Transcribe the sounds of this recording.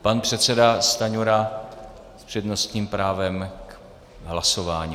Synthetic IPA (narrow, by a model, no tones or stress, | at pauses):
panpr̝̥ɛt̪sɛdast̪aɲuɾa | spr̥ɛdno̞st̪ɲiːmpɾaːvɛmk | ɦlaso̞vaːɲiː